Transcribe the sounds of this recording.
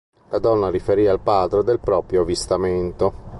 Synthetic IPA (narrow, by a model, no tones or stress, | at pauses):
lad̪ɔnːaɾifeɾiːalpaːd̪ɾod̪elpɾɔːpɾjovist̪ament̪o